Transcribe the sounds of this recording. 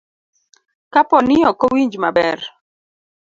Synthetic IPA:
kapɔnɪɔkowiɲd͡ʒmabɛr

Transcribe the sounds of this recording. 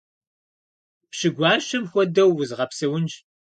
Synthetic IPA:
pɕɪɡʷɑːʃɐmxʷɔdɐwːʊzʁɐpsɐwʊnd͡ʒ

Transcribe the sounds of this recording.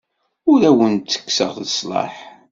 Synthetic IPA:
ʊɾæwənt͡s̪ːə̥kːsə̰ʁðəsˤlɑ̰ħ

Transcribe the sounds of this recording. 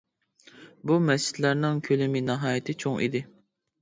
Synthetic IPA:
bumɛst͡ʃɪ̥t̪læɾnɪŋkʲʰølɪmɪnɑɦɑːjɪt̪ʰɪt͡ʃʰoŋʔḭd̪ɪ

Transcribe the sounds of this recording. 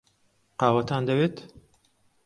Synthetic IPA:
qɑːwɐt̪ʰaːnd̪ɐweːt̪

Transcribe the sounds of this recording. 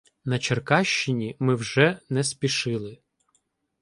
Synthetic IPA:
nɐt͡ʃerkɑʃt͡ʃɪnʲimɪwʒɛnɛspʲiʃɪlˠɪ

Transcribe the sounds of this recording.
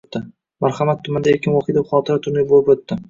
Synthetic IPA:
t̪ːɪ | maɾχamat̪ʰːʊmand̪ajekʲɪnwɒqijd̪epχɒt̪ʰɪɾat̪ʰʊɾnɪbolˠɪpot̪ːɪ

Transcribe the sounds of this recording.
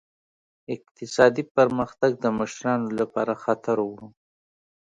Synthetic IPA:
ɪq̚t̪ɪsɑd̪ipəɾməxt̪aɡ̚d̪əməʃɾɑnolapɑɾaxat̪aɾwu

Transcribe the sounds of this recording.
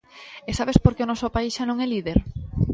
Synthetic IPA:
esaβespoɾkeonɔsopaisʃanõŋɛliðeɾ

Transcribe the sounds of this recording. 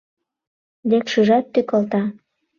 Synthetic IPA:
d̪ekʃuʒɑt̪ːykɤ̆lt̪ɑ

